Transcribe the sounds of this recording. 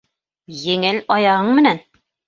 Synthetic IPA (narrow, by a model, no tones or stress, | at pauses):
jɘ̆ŋɘlɒjɑʁɤɴmɘ̆næn